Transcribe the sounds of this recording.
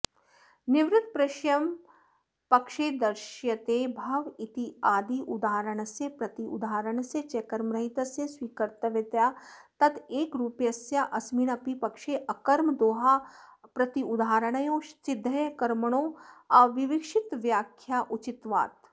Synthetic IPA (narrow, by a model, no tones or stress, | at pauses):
nɪʋɾɪt̪̚pɾɐʃjɐm | pɐkʃeːd̪ɐɾʃjɐt̪ebʱɐʋit̪iaːd̪iʔud̪aːɾəɳ̃sepɾɐt̪iṵd̪aːɾəɳ̃set͡ʃekɐɾmɾɐɦit̪ɐsesʋiːkɐɾt̪əʋet̪jaːt̪ɐt̪eːkɾuːpjɐsjaʔɐsminɐpipɐkʃeʔɐkɐɾmd̪oːɦaːpɾɐt̪iʊd̪aːɾəɽ̃ɐjõːsɪd̪ʱːɐjkɐɾməɳ̃oːɐʋɪʋɪkʃɪt̪ʋjaːkʰːjaːʔʊt͡ʃɪt̪ʋa̰ːt̪